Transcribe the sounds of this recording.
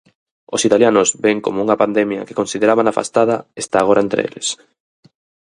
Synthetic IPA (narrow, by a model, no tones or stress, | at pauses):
osit̪aljanʊzbeŋkomouŋɐpand̪emjɐ̰ke̥konsiðeɾaβanafa̰st̪að̞ɐest̪aːɣ̞oɾaent̪ɾḛḛlḛs